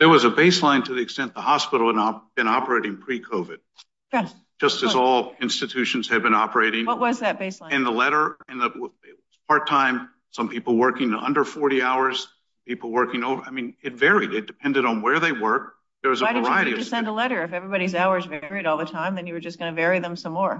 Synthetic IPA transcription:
ðə˞wʌzəbeɪslãɪ̃ntʰɨðiɨkstɛ̃nðəhɑspɪɾl̩ˠəɾb̥ɨ̃ñɑpə˞eɪɾɪ̃ŋpʰɹ̥ikʰoʊvɨd̥̚ | d͡ʒ̥ʌstɨzɔlˠɪ̃nstɨtʰʉʃɨ̃n̩z̥ɨd̚bɨ̃ñɑpə˞eɪɾɪ̃ŋwʌt̚wʌzðɨt̚b̥eɪslãɪ̃ɨ̃nðəlɛɾə˞ɨ̃nðəwɪt̚wʌz̥p̚ʰɑɹtʰãɪ̃m | sʌ̃mpipl̩ˠwɜ˞kɪ̃ŋʌ̰̃ndə˞fɔɹɾiaʊə˞z̥ | sʌmpipl̩ˠwɜ˞kɪ̃ŋoʊvə˞aɪmĩnɨtvɛɹiɾɨt̚d̥ɨpʰɛ̃ndɨɾn̩wə˞ðeɪwɜ˞k̚ | ðə˞wʌzəaɪvɨ˞ɪɨɾiɨsɛ̃ndəlɛɾə˞ɨfɛvɹibɑɾizaʊə˞zvɛɹiɾɔlˠðɨtʰãɪ̃mðɨ̃njɨwə˞d͡ʒʌsɡ̥ʌnɨvɛɹiðə̃msʌ̃mːɔɹ

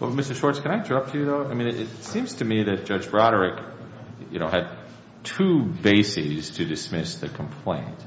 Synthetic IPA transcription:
wɛ̰mɪstə˞ʃɔɹtskʰɨ̃ñaɪɪ̃ntʰə˞ʌp̚tʰɨjɨðoʊaɪmĩnɪtsĩmz̥tʰɨmiðɨt̚d̥ʒ̥ʌd͡ʒbɹɑɾə˞ɪk | jɨ̰ñoʊɨd̚ | tʰʉbeɪsiz̥tʰɨdɨsmɪsðɨkʰm̩pʰl̥ẽɪ̃nt̚

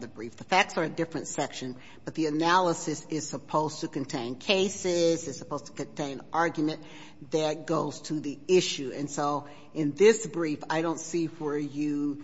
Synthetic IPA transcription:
ðɨbɹifðəfæk̚tsə˞ɨdɪfɹɨ̃ntsɛkʃɨ̃n | b̥ʌt̪̚ðiɨnælˠəsɨsɪz̥səpʰoʊztʰɨkɨ̃ntʰẽɪ̃nkʰeɪsɪzɨz̥səpʰoʊz̥tʰə̥kɨ̃ntʰẽɪ̃nʔɑɹɡjmɨ̃n | ðɨt̚ɡ̥oʊz̥tʰɨðiɪʃʉɨ̰̃nsoʊ | ɪ̃nðɪsb̥ɹifaɪɾõʊ̃ntsifə˞jɨ

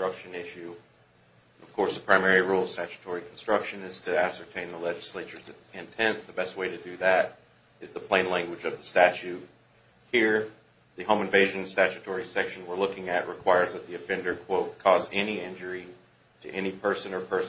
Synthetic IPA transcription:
tɹ̥ʌkʃɨ̃nɪʃʉ | nʌv̥kʰɔɹsðəpʰɹ̥ãɪmɛɹiɹulˠʌv̥stæt͡ʃɨ̥tʰɔɹikʰn̩stɹ̥ʌkʃɨ̃nɨz̥tʰɨæsə˞tʰẽɪ̃nðəlɛd͡ʒɨsleɪt͡ʃə˞zɪ̃ntʰɛ̃nðɨbɛst̚weɪɾɨdɨðɨɾ | ɨzðəpʰl̥ẽɪ̃nlæ̃ŋɡwɨd͡ʒʌvðəstæt͡ʃʉt̚ | hiɹ | ðɨɦõʊ̃mɨ̃nveɪʒɨ̃nstæt͡ʃɨtʰɔɹisɛkʃɨ̃n̩wə˞lʊkɪ̃ŋɨʔ̚ɹʔɨkʰw̥aɪə˞zðɨt̪̚ðiɨfɛ̃ndə˞kʰw̥oʊt̚kʰɔzɛniɪ̃nd͡ʒə˞i | ɾɨ̰ʔɛnipʰɜ˞sɨ̃nə˞pʰɜ˞s

